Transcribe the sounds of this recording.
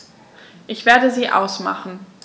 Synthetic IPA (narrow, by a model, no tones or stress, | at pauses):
ʔɪçv̥eːɐdəziːʔa̰ʊsma̰χn̩